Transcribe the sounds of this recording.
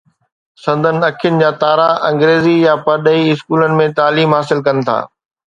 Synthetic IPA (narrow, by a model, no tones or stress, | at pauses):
sɐ̃nd̪ʱənɪ̆ɐkʰijʊnɪ̆d͡ʑaːt̪aːɾaʔɐ̃ŋɡɾeːzijapɐɾɗəiɪskuːlənɪ̆mẽt̪aːliːmɦaːsɪlkɐnɪ̆t̪ʰa̰ː